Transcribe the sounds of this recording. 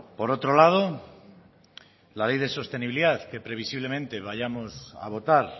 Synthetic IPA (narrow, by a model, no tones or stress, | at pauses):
po̞ɾo̞t̪ɾo̞lað̞o | lalejðe̞so̞st̪e̞niβiliðaθke̞pɾe̞β̞isiβle̞mẽ̞nt̪e̞βajamosa̰β̞o̞t̪aɾ